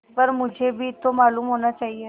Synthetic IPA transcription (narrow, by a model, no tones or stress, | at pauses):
pəɾmũd͡ʒʱebʱit̪omalumɦonat͡ʃaɦie